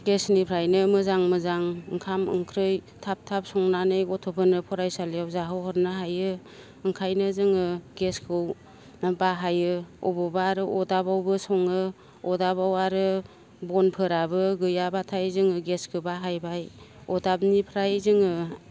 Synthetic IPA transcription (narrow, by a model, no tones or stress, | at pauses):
ɡesnipʰɾajnɯmɯzaŋmɯzaŋɯŋkʰamɯ̰ŋkʰɾɯj | tʰap̚tʰap̚sɔŋnanɯjɡɔtʰɔpʰɯnɯpʰɔɾajsalijawzaɦɯwhɔɾnaɦajɯː | ŋkʰajnɯzɯŋɯɡeskʰɯw | baɦajɯɔbɔbaɾɯʔɔdabawbɯsɔŋɯ | ɔdabawaɾɯ | bɔnpʰɯɾabɯɡɯjabatʰajzɯŋɯɡeskʰɯbaɦajbajɔdab̚nipʰɾajzɯŋɯ